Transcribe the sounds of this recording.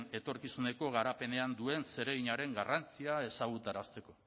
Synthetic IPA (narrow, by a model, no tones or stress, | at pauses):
ne̞t̪o̞ɾkisune̞ko̞ɣ̞aɾape̞ne̞and̪ue̞nse̞ɾe̞ɣiɲaɾe̞ŋɡarant͡siae̞saɣ̞ut̪aɾast̪e̞ko̞